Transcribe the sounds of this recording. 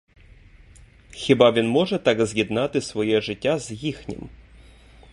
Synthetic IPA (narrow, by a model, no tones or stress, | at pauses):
xʲɪbɑʋʲinmɔʐɛt̪ɑkzʲjʲid̪nɑt̪ɪsʋɔjɛʒɪtʲːazjixnʲɪ̰m